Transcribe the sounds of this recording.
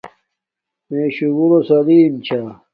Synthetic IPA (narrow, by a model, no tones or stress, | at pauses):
meːɕuɡuɾosɐliːmt͡ɕʰa